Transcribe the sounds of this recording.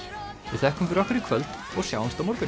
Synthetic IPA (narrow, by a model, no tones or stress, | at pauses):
vɪðθɛhkʏmfɪɾahkʏɾɪkʰvœlt̪ | ɔɣsjawɪnst̪amɔɾkʏ